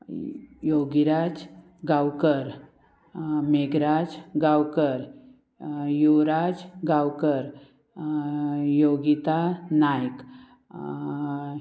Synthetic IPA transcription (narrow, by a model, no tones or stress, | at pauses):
joɡiɾad͡z | ɡawkəɾ | meɡɾad͡zɡawkəɾ | juɾad͡zɡawkəɾ | joɡit̪anajk